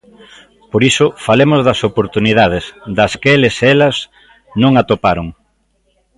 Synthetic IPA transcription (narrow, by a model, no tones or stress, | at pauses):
poɾisʊfalemʊzðɐsopoɾt̪uniðað̞ɪsd̪ɐskelɪsɛlɐz | nõŋat̪opaɾoŋ